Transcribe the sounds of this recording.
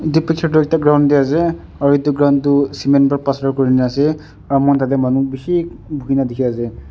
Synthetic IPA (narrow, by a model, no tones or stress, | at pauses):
dipikʰːatʊɛk̚taɡɹawndiasɛ | ɔɹitːuɡɹawntʊsimɛnbaɹpasdɔɹkɔɹinɛasɛ | ɹmɔntad̬ɛmanubisibʱukinadikʰiasɛ